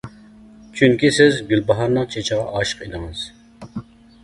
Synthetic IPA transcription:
t͡ʃʰyŋkʲisɪzɡʲylbɑɦɑɾnəŋt͡ʃʰet͡ʃʰɪʁɑʔɑːʃə̥qed̪ɪŋɨz̥

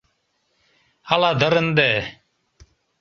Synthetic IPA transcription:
alaːd̪əɾənd̪eː

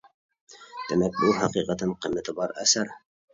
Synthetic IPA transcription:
t̪æmæk̚bulˠɦɑqiqɑt̪ɤɴqɤ̆mɘ̆t̪ɤbɑɾæsæɾ

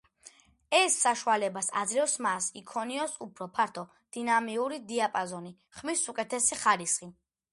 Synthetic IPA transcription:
ɛsːaʃualɛbasa̰d̪zɾɛfsmasikʰɔniɔsupʰɾɔpʰaɾt̪ʰɔ | d̪̥inamiuɾid̪iapʼazɔni | χmisukʼɛt̪ʰɛsiχaɾisχi

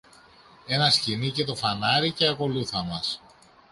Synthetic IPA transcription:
e̞nɐscinice̞t̪o̞fɐnɐɾice̞ɐko̞luθɐmɐs

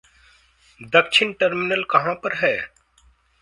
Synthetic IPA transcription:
d̪ɐkʃʰɪnʈəɾmɪnəlkɐɦãpəɾɦɛː

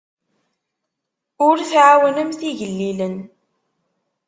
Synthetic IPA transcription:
ʊɾθʕawənəmθiʝəlːilən

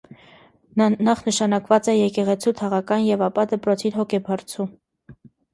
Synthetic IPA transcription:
nnɑχnəʃɑnɑkvɑt͡sɛjɛkɛʁɛt͡sʰut̪ʰɑʁɑkɑnjɛvɑpɑd̪əpɾɔt͡sʰiɾɦɔkʰɛbɑɾt͡sʰu

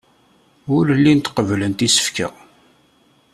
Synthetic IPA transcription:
ʊɾlːint̪qəvlənt̪isə̥fkə̰

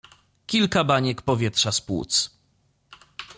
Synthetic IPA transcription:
kʲilkabaɲɛkpɔvʲjɛtʂaspwṵt̪s

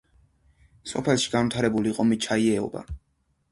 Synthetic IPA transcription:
sɔpʰɛlˠʃi̥ɡanmt̪ʰaɾɛbuliqʼɔmit͡ʃʰaiɛɔ̰ba̰

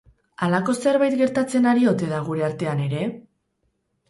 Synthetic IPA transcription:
alako̞se̞ɾβajt̪ɡe̞ɾt̪at͡se̞naɾio̞t̪e̞ðaɣ̞uɾe̞aɾt̪e̞ane̞ɾe̞

